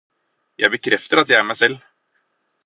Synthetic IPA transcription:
jʔæ̰ɪbəkʰɾɛft̪əɾɑt̪jæɪæɾmæɪsɛlː

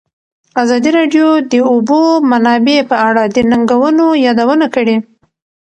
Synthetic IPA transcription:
azɑd̪iɾɑɖjod̪əubomanɑbepəaɽad̪ənaŋɡawənojɑd̪awənakəɽe

